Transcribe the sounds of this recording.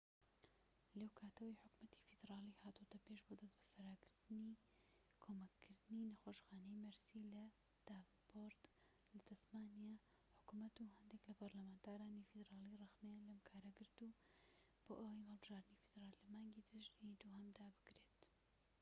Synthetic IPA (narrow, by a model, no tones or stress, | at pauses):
lewkʰaːt̪ʰɐwijħʊkmɐt̪ʰi̥fɨd̪ɾaːliːhaːt̪ut̪ɐpeːʃboːd̪ɐsbɐ̥sɐɾakɨɾd̪ɨni | kʰoːmɐkʰːɨɾd̪ɨninɐxoːʃxaːnɛjmɐɾsilɐ | d̪̥av | boɾd̪ | lɐt̪ɐsmaːnija | ħʊ̥kumɐt̪uɦɐnd̪eklɐpɐɾlɐmaːnt̪ʰaːɾaːnifid̪ɾaːlirɑxnejalɐmkʰaːɾɐɡɨɾt̪u | b̥o̰ːʔɐwɐjmhɐlˠbɨʒaːɾd̪ɨnifid̪ɾaːlːɐmaːŋɡid̪ɨʒnid̪uhɐmd̪aːbɨkɾeːt̪